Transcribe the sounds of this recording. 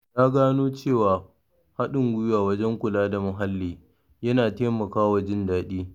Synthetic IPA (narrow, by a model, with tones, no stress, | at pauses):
jaː˦ɡaː˦noː˦t͡ʃeː˦˨waː˨ | ha˦ɗɪ˨ŋɡʷʊ˦jʊ˦waː˨wɐ˦d͡ʒɛ˦ŋkʷʊ˨laː˦da˨mʊ˨ɦa˦lːiː˨ | jɐ˦naː˨teː˦mɐ˨kaː˦wa˨d͡ʒɪ˦ndaː˦ɗiː˦